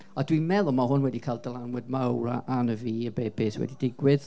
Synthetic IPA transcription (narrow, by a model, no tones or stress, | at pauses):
adwimɛlˠɔmaɦʊnwɛdikʰaɪlˠdəlˠanwɛd̚mawɾa̰ʔanəviːəbeːbeːswɛ̰didɪɡwɪð